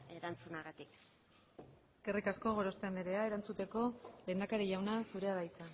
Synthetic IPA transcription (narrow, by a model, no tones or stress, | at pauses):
eɾant͡sunaɣat̪ik | eske̞rikasko̞ɣ̞o̞ɾo̞speand̪eɾe̞ae̞ɾant͡sut̪e̞ko̞le̞ːnd̪akaɾiʝawnasuɾe̞aðajt͡sa